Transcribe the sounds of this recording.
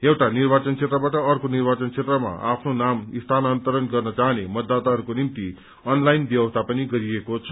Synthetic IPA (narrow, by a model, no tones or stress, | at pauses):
ewʈanirbat͡sʌnt͡sʰet̪rʌbaʈʌʌrkonirbat͡sʌnt͡sʰet̪rʌma̰apʰnonamist̪ʰanʌːnt̪ʌɾʌnɡʌrnʌt͡saɦnemʌd̪ːat̪aɦʌɾukonimt̪i | ʌnlajnbjʌbʌst̪ʰapʌniɡʌɾiekot͡sʰʌ̥